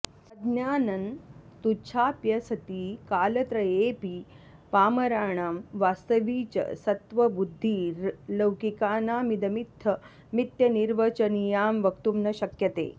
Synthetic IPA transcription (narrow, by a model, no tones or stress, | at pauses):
sɐd̪njaːnɐnt̪ut͡ʃʰaːpjɐsɐt̪iːkaːlɐt̪ɾɐeːpi | paːmɐɾaːɳaːmʋaːst̪ɐʋiːt͡ʃɐ̰sɐt̪ʋɐbud̪ʱːiːlɐwkikaːnaːmid̪ɐmit̪ʰːɐ | mit̪jɐniɾʋɐt͡ʃɐnijaːmʋɐkt̪umnɐɕɐkjɐt̪ḛː